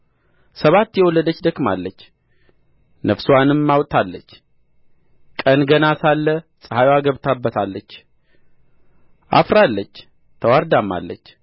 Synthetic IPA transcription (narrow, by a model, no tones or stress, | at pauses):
səβat̪ːjɛwɔlːəd̪ət͡ʃːd̪əkʼma̰lːət͡ʃː | nəfswanɨmːawt̪ʰʼalːət͡ʃː | kʼənɡənasalːəsʼəhajwaɡəβt̪ʰabːət̪ʰalːət͡ʃː | ʔa̰fɾalːət͡ʃː | t̪ʰəwaɾd̪amːa̰lːət͡ʃː